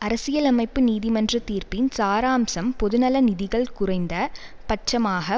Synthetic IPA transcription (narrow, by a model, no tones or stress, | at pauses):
ɐɾɐsɪjɐlɐmɐɪpːɯniːðɪmɐndrɐt̪iːɾpɪnsaːɾaːmsɐmpɔðɯnɐlɐnɪðɪɣɐɭkʊrɐɪnd̪ɐ | pɐʈ̚t͡ʃːɐmaːɣɐ